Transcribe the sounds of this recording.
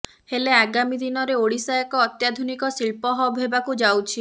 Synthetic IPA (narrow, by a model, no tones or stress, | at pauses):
heleaɡamid̪inɔɾeoɽisajakɔːt̪jad̪ʱunikɔsilpɔɦɔbʱɦebakud͡ʒawt͡ʃʰi